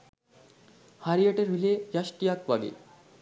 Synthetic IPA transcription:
haɾieʈeɾɦilejaʃʈijakʋaɡḭ

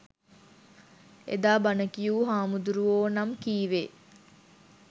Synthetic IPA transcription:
ḛd̪aːbanəkijuːɦaːmud̪uɾuʋoːnamkiːʋeː

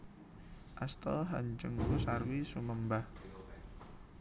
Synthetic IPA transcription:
ʔast̪ɔlɦaɲd͡ʒəŋkusarwisuməmbah

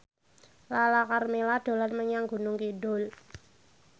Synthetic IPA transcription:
lalakarmelad̥o̤lanməɲaŋɡṳnʊŋkiɖʊl

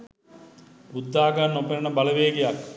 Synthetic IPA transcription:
ud̪ːaːɡanːopeɾənəbaləʋeːɡejak

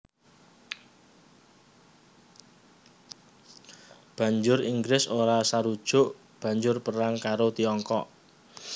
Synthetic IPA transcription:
b̥ä̤ɲd͡ʒʊɾiŋɡɾɪsoɾasaɾud̥ʒ̥ʊ̤ʔ | b̥a̤ɲd͡ʒʊrpəɾaŋkaɾot̪iɔŋkɔʔ

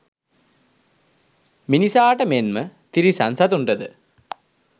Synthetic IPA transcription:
minisaːʈəmenmət̪iɾisansat̪unɖəd̪ə

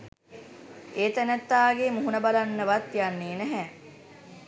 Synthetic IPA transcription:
ʔeːt̪ænæt̪ːaːɡemuɦunəbalanːəʋat̪janːeːnæɦɛ

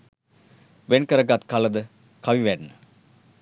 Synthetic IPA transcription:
ʋenkəɾəɡat̪kaləd̪ə | kʰaʋiʋænːə

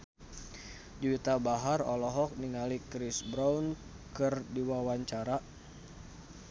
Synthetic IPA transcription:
d͡ʒuwit̪abaɦarɔlɔɦɔk̚niŋalikɾisbɾaun | kɨrdiwawaɲt͡ʃaɾa

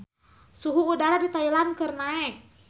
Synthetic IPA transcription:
suɦuːdaɾadit̪ailankərnaɛk̚

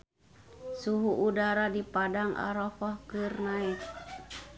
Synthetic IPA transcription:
suɦuʔudaɾadipadaŋʔa̰ɾɔfɔhkɨrnait̪̚

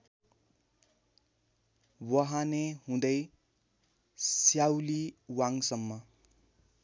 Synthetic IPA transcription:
wʌɦaneɦũd̪ʌj | sjawliwaŋsʌmːʌ

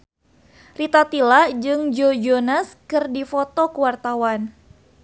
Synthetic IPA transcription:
rit̪at̪ilad͡ʒɨŋd͡ʒod͡ʒonaskɨrdifɔt̪ɔkuwart̪awan

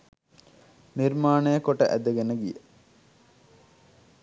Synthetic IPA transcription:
niɾmaːnəjəkoʈəʔæd̪əɡenəɡijə

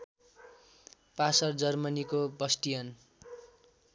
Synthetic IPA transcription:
pasʌrd͡zʌrmʌnikobʌsʈijʌn

